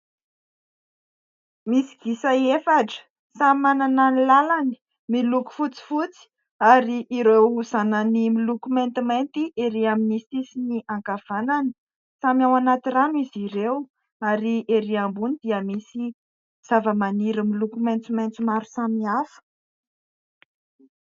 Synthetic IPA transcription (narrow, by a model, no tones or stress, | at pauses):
misi̥ɡ̥isaefaʈ͡ʂə̥ | samimanananilalani̥ | miluku̥fut͡si̥fut͡si̥ | aɾiʔiɾewuzananimilukument̪iment̪iʔeɾiaminisisiniʔaŋkav̥anani̥ | samiawanat̪iraniziɾew | aɾiʔeɾiambunid̪̥iəmisi | z̥avəmaniɾəmilukument͡s̪imant͡simaɾu̥samiafə̥